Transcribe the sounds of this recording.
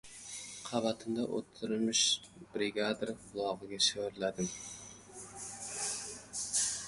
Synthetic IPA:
qʰɑvat̪ʰɪmd̪aʔo̰t̪ʰːɪɾmɪʃ | b̥ɾɪɡʲad̪ɾqʰʊlˠɒʁɨɡʲaʃɾlad̪ɪm

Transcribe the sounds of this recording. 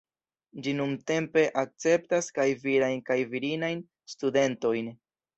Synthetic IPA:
d͡ʒinumte̞mpe̞ʔak̚t͡se̞p̚taskajviɾajnkajviɾinajn | stude̞nto̞jn

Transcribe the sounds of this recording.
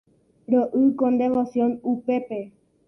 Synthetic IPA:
ɾoʔɨkõnd̪eʋosjõnupe̞pe̞

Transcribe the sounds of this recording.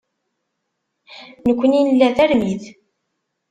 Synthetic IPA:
nəkʷːəninlːæðæɾmið

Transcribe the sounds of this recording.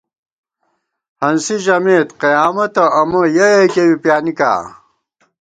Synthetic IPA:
hɐnsiʑɐmeːt̪qɐjaːmɐt̪ɐʔɐmɐjɐjekewipjaːnika̰ː

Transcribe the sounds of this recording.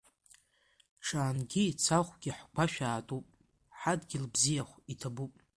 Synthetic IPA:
ʈ͡ʂʰaːnɡʲiit͡sʰaχʷɡʲiħɡʷʰaʃᶣaːtʼupʼ | ħadɡʲɪlbzijaχʷitʰabupʼ

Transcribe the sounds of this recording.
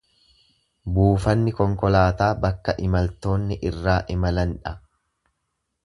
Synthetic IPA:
buːfɐnːɪkɔŋkɔlaːt̪aːbɐkːɐʔɪmɐlt̪o̞ːnːɪʔɪrːaːʔɪmɐlɐnᶑɐ

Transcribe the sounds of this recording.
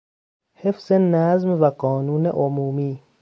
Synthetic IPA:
hefz̥enæzmvæɢɒːnuːnḛʔomuːmiː

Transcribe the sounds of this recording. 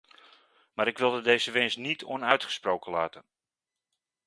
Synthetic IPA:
maːɾɪkʋɪlˠdədejzəʋɪnsnitʰɔ̰nœɥtχə̥sprowkənla̰ːtən

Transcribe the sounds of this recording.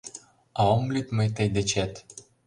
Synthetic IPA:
ɑomlʲyt̪məjt̪əjd̪et͡ɕæt̪

